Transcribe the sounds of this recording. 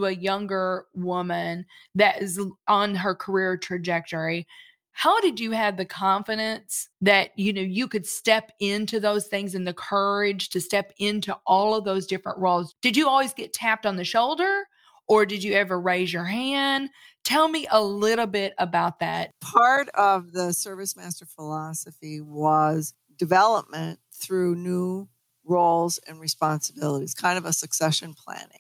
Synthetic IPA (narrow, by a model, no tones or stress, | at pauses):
ɨjʌ̃ŋɡə˞wʊmɨ̃nðɨɾɪzə̃nə˞kʰə˞ɪɹtʰɹ̥ɨd͡ʒɛk̚tɔɹi | haʊɾɨd͡ʒɨːvðɨkʰɑ̃ɱfɨɾɨ̃nsðɨt͡ʃ̚ɨnoʊjɨkɨd̥stɛpɪ̃ntʰʉðoʊz̥θɪ̃ŋzɨ̃nðɨkʰɜ˞ɪ̥ʒ̥tʰɨstɛpɪ̃ntʰuʔɔlˠʌvðoʊzdɪfɹə̰̃nʔɹoʊlˠzd̥ɨd͡ʒɨɔlˠwizɡɛtʰæp̚tn̩ðɨʃoʊlˠdə˞ | ə˞dɨd͡ʒɨɛvə˞ɹeɪzjə˞ɦæ̃nd | tʰɛlˠmiʔəlɪɾl̩ˠbɪɾəbaʊt̪̚ðæ̰t̚pʰɑɹɾʌvðɨsɜ˞vɨsmæstə˞fəlɑsɨfiwʌz | dɨvɛlˠəp̚mɨ̃n | θɹʉnu | ɹoʊlˠzɨ̰̃nɹispɑ̃nsəbɪlˠəɾiz̥kʰãɪ̃ndʌvəsɨksɛʃɨ̃npʰl̥æ̰̃nɪ̰̃ŋ